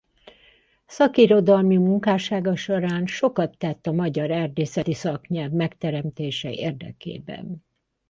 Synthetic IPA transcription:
sɒkiɾo̞d̪ɒlmimuŋkaːʃaːɡɒʃoɾaːnʃo̞kɒt̪ːɛt̪ːɒmɒɟɒɾɛrd̪eːsɛt̪isɒkɲɛlvmɛkt̪ɛɾɛmt̪eːʃɛeːrd̪ɛ̰kḛːbɛ̰n

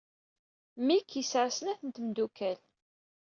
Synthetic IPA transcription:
mikʰjisəɾsənæθənt̪md̪ukæl

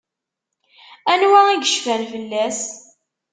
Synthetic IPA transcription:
ænwæiɡəʃfænfəlːæs

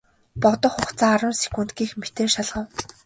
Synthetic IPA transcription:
pɔt̪ɞ̆χʊχt͡sʰaːɾwʊ̆ːnsi̥kun̥t̪ɡiːxmet̪eːʃaɮʁə̆w

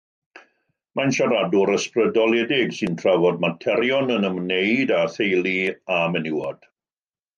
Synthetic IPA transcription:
manʃaɾadʊɾəsprədɔlˠɛdɪɡsɨntʰr̥avɔd̚matʰɛɾjɔnənəmneɨdaθejlˠiamɛnɪwɔd̥

